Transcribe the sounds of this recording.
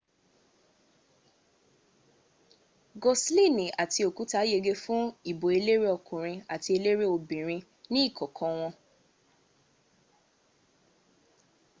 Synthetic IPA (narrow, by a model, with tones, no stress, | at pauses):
ɡo˨sli˦˨nĩ˨a˨ti˧˦o˨ku˨˦ta˦je˧ɡe˦fũ˦i˨bo˨e˧le˦ɾe˦ɔ˧kũ˨ɾ̃ĩ˧a˨ti˧e˧le˦ɾe˦o˨bĩ˨ɾ̃ĩ˧ | nĩ˦i˦˨kʰɔ˨kʰɔ̃˧w̃ɔ̃˧